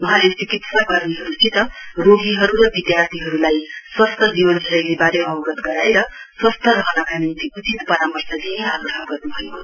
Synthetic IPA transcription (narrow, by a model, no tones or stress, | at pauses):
wʌɦãlet͡sikit̪sakʌrniɦʌɾusʰit̪ʌroɡiɦʌɾuɾʌbid̪jart̪ʰiɦʌɾulajswʌst̪ʰʌd͡zibʌnsʰʌɾʌjlebaɾemʌwɡʌt̪ɡʌɾaeɾʌswʌst̪ʰʌɾʌɦnʌkanint͡siut͡sit̪pʌɾamʌrsʌd͡ziniaɡrʌɦʌbɡʌrnubʱʌjo